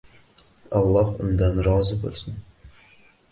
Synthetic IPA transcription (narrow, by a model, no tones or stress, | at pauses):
ɑlˠːɑhʊ̰nd̪ɑnɾɑzəbo̰lˠsən